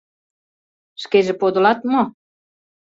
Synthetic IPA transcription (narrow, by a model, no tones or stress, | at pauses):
ʃkeʒĕpod̪ŏlɑt̪mo